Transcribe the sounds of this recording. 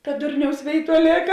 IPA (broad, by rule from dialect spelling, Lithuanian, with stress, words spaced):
kɐ ˈdʊrʲnʲɛʊs ˈʋʲeːɪˌtuɔ ˈlʲeːkɐ